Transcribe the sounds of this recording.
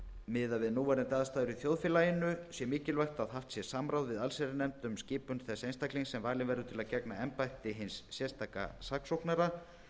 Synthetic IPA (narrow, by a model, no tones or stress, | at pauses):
mɪðavɪðnuːvaɾɪnt̪aːðast̪aːðʏɾiθjowðfɪːlaːjɪnʏsjɛmɪːcɪlvajxt̪aðɦaft̪sjɛsaːmɾawðvɪðalsɛɾɪnɛmt̪ʏmscɪːpʏnθɛsaejnst̪akliŋsɛmvaːlɪnvɛɾðʏt̪ʰɪlaðcɛknaɛmpajht̪ɪɦɪnsːjɛst̪ʰaːka̰saksowhknaɾa